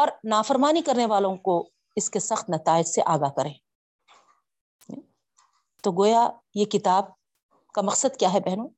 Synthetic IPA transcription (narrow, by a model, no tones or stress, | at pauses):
ɔːɾnaːfɐɾmaːnikɐɾneʋaːlõko | ɪskesɐxt̪nɐt̪aːɪd͡ʒseʔaːɡakɐɾẽː | t̪oɡoːjajekɪt̪aːb̚ | kamɐqsəd̪kjaːɦɛbɛɦnõː